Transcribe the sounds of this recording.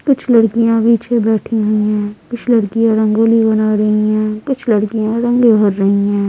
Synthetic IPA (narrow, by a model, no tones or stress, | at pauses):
kʊt͡ʃʰlɐɽkijãbiːt͡ʃʰẽbɛːʈʰiɦʊiɦɛ̃ːkʊt͡ʃʰlɐɽkijãɾɐ̃ŋɡoːlibɐnaːɾɐɦiɦɛ̃ːkʊt͡ʃʰlɐɽkijãɾɐ̃ŋɡebʱɐɾːɐɦiɦɛ̃ː